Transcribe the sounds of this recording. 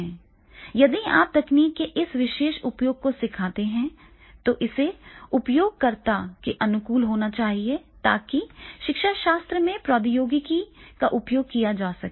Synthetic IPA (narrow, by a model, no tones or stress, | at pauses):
ɛ̃ː | jɐd̪ia̰ːp̚d̪ɐkniːkːeʔɪsʋɪʃeːʃʊpjoːɡ̚kosɪkʰaːt̪eɦɛ̃ | t̪oʔɪseʊpjoːɡ̚kɐɾt̪akeʔɐnʊkuːlɦoːnat͡ʃaːɦiet̪a̰ːkiʃɪkʃaʃaːst̪ɾəmẽpɾɔːd̪ɪjoːɡɪkikaʔʊpjoːɡ̚kijad͡ʒaːsɐkː